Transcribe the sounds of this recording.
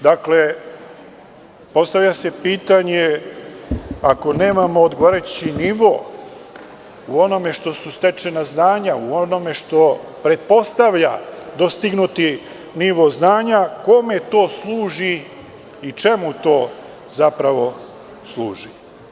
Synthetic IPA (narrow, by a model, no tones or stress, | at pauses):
d̪akle̞ | po̞st̪aʋʎʲase̞piːt̪aɲe | ako̞ne̞ːmamoːd̪ɡoʋoɾet͡ɕiniʋo̞̰ː | uo̞no̞me̞ʃt̪o̞sust̪et͡ʃe̞naznaːɲauono̞me̞ʃt̪o̞pɾe̞t̪̚po̞st̪aʋʎa̰d̪o̞st̪iɡnut̪i | niʋo̞znaːɲako̞me̞t̪o̞ːslˠuːʒi | it͡ʃemut̪o̞ː | zapɾaʋo̞ | slˠuːʒi